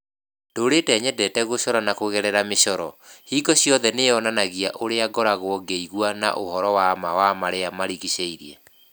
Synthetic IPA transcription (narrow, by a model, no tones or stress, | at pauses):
d̥oːɾedɛɲɛdɛtɛɣoɕɔɾanakoɣɛɾɛɾameɕɔɾɔhiːɡɔsijɔðɛneɔnanaɣiaʔoɾeaɡɔɾaɣwɔɡeiɣwana̰ʔohɔɾɔwamawamaɾeamaɾiɣiɕeiɾiɛ̰